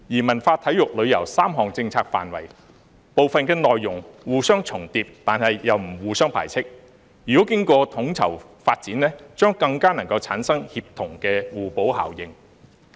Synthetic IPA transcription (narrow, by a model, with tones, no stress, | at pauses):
jiː˨˩mɐ˨˩nfaː˧t̪ʰɐ˨˥jʊ˨k̚lɵ˨˧ɥjɐ̰˨˩wsaː˥mɦɔː˨ŋt͡sɪ˧ŋt͡sʰaː˧k̚fa̰ː˨nwɐ˨˩j | po˨˧wfɐ˨nkɛː˧nɔː˨jːʊ˨˩ŋwuː˨sœː˥ŋt͡sʰʊ˨˩ŋt̪iː˧p̚t̪aː˨nhɐ˨jjɐ˨wm̩˨˩wuː˨˧sœː˥ŋpʰa̰ː˨˩jt͡sʰɪ˥k̚ | jyː˨kɔː˨˥kɪ˥ŋkɔː˧t̪ʰʊ˨˥ŋt͡sʰɐ̰˨˩w | faː˧t̚t͡siː˨˥nlɛː˥t͡ʃœː˥ŋkɐ˧ŋkaː˥nɐ˨˩ŋkɐ˧wt͡sʰaː˨˥nsɐ˥ŋhiː˧p̚t̪ʰʊ˨˩ŋkɛː˧wuː˨po˨˥wha̰ː˨˩wjɪ˨˧ŋ